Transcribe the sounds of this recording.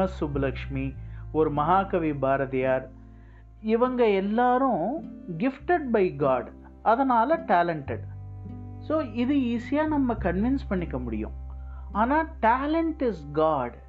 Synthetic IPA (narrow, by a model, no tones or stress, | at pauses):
ɐsubʱɐlɐkʂmioɾumɐɦaːkɐʋibʱaːɾɐt̪ijaːɾ | iʋɐŋɡɐɛlːaːɾũɡɪfʈeɖ̚bɐjɡaːɖ | ɐd̪ɐnaːlɐʈaːlɐɳʈeɖ | soːiðɯiːsijaːnɐmːɐkɐnʋɪnspɐɳːikːɐmʊɽɪ̰jṵ̃ːaːnaːʈaːlɐɳʈɪzɡaːɖ